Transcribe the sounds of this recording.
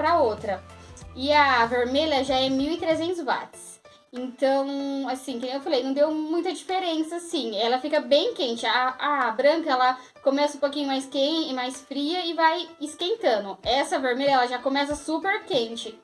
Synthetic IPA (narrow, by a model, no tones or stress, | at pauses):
pɾɐowt̪ɾɐɪɐveɾmeʎʲɐʒaɛmiwɪt̪ɾezẽnt̪ʊzva̰t̪ɪ̥s | ẽnt̪ɐ̃w̃asĩkẽewfalejnɐ̃w̃d̪ewmũj̃t̪ɐd͡ʒifeɾẽsɐsĩɛlɐfikɐbẽj̃kẽnt͡ʃɪaabɾɐ̃ŋkɐɛlɐ | komɛsɐũpokĩɲʊmajskeɪmajsfɾiɐɪvajɪskẽnt̪ɐ̃nd̪ʊɛsɐveɾmeʎɐɛlɐʒakõmɛsɐsupeɾkẽt͡ʃɪ